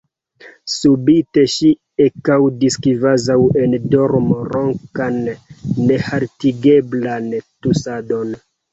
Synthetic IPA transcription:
subite̞ʃi | ekawdiskivazawendoɾmoɾoŋkanː | ehaɾtiɡeblantusado̞n

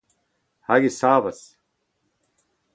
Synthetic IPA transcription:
hɐɡisaːfɐs

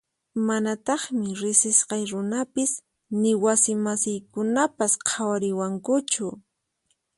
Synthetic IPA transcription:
manat̪ɑχmɪɾɪsɪsqɑjɾʊnapɪs | nɪwasɪmasɪjkʊnapasqʰawaɾɪwaŋkʊt͡ʃʊ

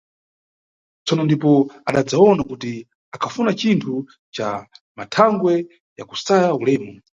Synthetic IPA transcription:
t͡sɔnɔndipɔaɗad͡zaɔnakuti | akʰafunat͡ʃintʰu | t͡ʃa̰ | matʰaŋɡwɛ | ja̰ku̥sajaulɛːmɔ

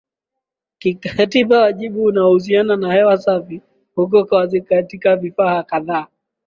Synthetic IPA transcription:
kikaatiɓawaʄiɓuːnaɔhus̬iananahɛwasafi | huk̬ɔkɔwazikatikavifahakaðaː

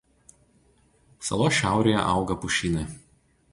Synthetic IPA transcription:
sɐ̰lˠoːʃʲæˑʊɾʲejɛ̰ʔɑˑʊɡɐpʊʃʲiːnɐ

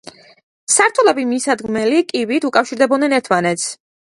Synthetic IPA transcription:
saɾt̪ʰulɛbimisad̪ɡmɛlikʼivit̪ʰukʼafʃiɾd̪ɛbɔnɛnɛɾt̪ʰmanɛt̪sʰ

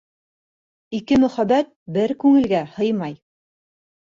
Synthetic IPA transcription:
ikɘmɵ̆χæbæt̪̚bɘɾkʉŋɘ̆lɡæhɤjmɑj

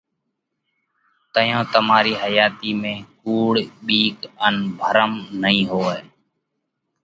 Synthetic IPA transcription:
t̪əjõːt̪əmaːɾiːɦəjaːt̪iːmẽːkuːɽɓiːkənbʱəɾəmnəĩːɦoːeː

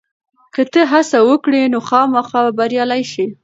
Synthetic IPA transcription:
kət̪əɦasawəkɽenoxɑmaxɑbaɾjɑlajʃi

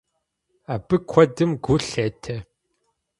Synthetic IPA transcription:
abɨkʷʰɔdɨmɡuɬeːtʰɐ

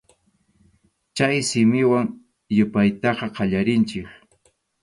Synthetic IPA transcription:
t͡ʃajsɪmɪwaŋ | jʊpajt̪ɑqɑqɑʎaɾɪnt͡ʃɪk

